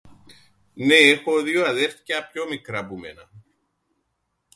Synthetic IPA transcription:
nehoðjuaðɪɾ̥t̪capʎomɪkɾapumɛ̰ːna

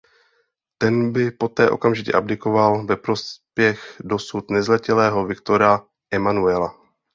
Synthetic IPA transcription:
t̪ɛnbɪpo̞t̪ɛːʔo̞̰kamʒɪcɛ̰ʔabdɪko̞valvɛpɾo̞spjɛxdo̞sut̪nɛzlɛcɛlɛːɦo̞vɪkt̪o̞ɾa | ʔɛmanuɛla

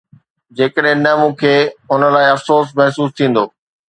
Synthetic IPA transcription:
d͡ʑeːkəɗɦɪ̃nɐmũːkʰeːʊnə̆laːɪɐfsoːs̬mɛɦsuːst̪ʰĩːn̆d̪oː

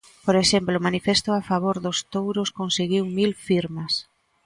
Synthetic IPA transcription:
poɾeʃemplomanifest̪ʊafaβoɾðʊst̪owɾoskonseɣiwmilfiɾmas

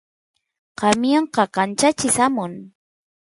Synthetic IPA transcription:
qɑmjɑɴqɑkant͡ʃat͡ʃɪsamʊn

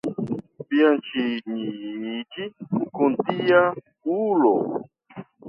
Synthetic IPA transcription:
piant͡ʃiɲiɲit͡ʃiukunt̪ija | ulo̰

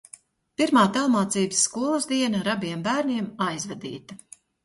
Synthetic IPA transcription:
piɾmaːt̪alˠmaːt̪siːbəsːkuɔlˠuzd̪iɛnɐɾabiɛmbæːɾniɛmajzvɛd̪ḭːt̪ɐ

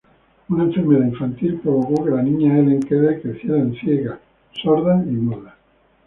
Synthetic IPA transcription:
unãɱfeɾmeðaiɱfant̪ilpɾoβokokelanĩɲaelẽŋkeðekɾeθjeɾaensjeɣa | soɾðaimuða

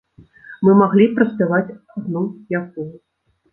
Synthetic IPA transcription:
mɨmaɣlʲipɾɐsʲpʲavat͡sʲaɣnujak̚ɔj

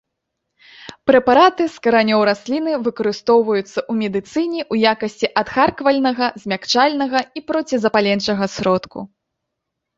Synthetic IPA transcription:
pɾɛpaɾat̪ɨskɐɾanʲɔwɾasʲlʲinɨvɨkɐɾɨst̪ɔwvɐjut̪sːɐʔumʲɛd̪ɨt̪sɨnʲɛʔujakɐsʲt͡sʲiʔɐt̪xarkvɐlʲnɐɣɐzʲmʲakt͡ʂalʲnɐɣɐipɾɔt͡sʲizɐpalʲɛnt͡ʂɐɣɐsʲɾɔt̪kṵ

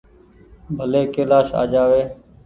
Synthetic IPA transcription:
bʱəleːkeːlaːʃa̰ːd͡ʒaːʋeː

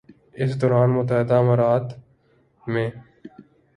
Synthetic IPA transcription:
ɪsd̪ɔːɾaːnmʊt̪əɦɪd̪aməɾaːt̪ | mẽː

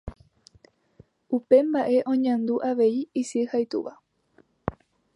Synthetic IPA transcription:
upe̞mbaʔe̞ʔõ̞ɲãnd̪uʔaʋe̞iisɨhajt̪ṵʋa

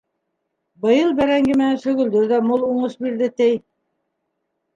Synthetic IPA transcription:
bɤ̆jɤlˠbæɾæŋɡɘmɘ̆nænʃɵ̆ɣɵ̆ld̪ɵɾd̪æmolˠuɴɤʃbiɾd̪ɘt̪ɘj

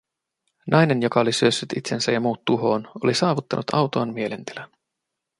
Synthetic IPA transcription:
nʔɑjne̞njo̞kɑo̞lisyøsːyt̪it̪se̞nsæjɑmuːt̪ːuɦo̞ːno̞̰lisɑːʋut̪ːɑnʔut̪ɑ̰wt̪oɑnmie̞le̞nt̪elæn

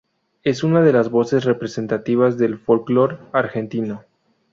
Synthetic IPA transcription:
e̞sunaðe̞lazβo̞se̞sre̞pɾese̞nt̪at̪iβ̞azðe̞lfo̞lklo̞ɾaɾxe̞nt̪ino̞

